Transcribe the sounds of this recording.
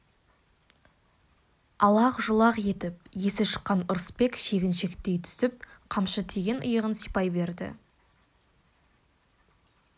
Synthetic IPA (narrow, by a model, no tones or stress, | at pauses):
ɑlˠɑqʒəlˠɑqje̞t̪ɪp̚je̞sɪʃə̥qːɑnʊɾspe̞kʃe̞ɡʲɪnʃe̞kt̪e̞jt̪ʰʏ̥sɪp̚qʰɑmʃət̪ʰe̞ɡʲe̞nʊ̰jəʁənsijpɑjbe̞ɾd̪ɪ̰